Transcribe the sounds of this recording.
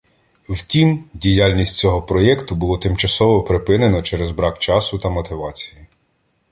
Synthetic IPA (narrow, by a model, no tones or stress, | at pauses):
wtʲimdʲijɑlʲnʲisʲtʲt͡sʲɔɦɔpɾɔjɛkt̪ʊbʊlˠɔt̪ɪmt͡ʃɐsɔʋɔpɾɪpɪnenɔt͡ʃɛɾɛzbɾɑkt͡ʃɑsʊt̪ɐmɔt̪ɪʋɑt͡sʲiji